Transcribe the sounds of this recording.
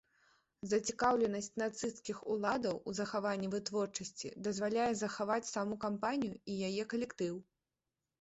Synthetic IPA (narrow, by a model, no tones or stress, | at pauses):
zɐt͡sʲikawlʲɛnɐsʲt͡sʲnat̪sɨskʲixulˠad̪ɐwuzɐxavanʲːivɨt̪vɔrt͡ʂɐsʲt͡sʲḭd̪ɐzvalʲajɛzɐxavat͡sʲsamukampanʲijuijajɛkɐlʲɛkt̪ɨw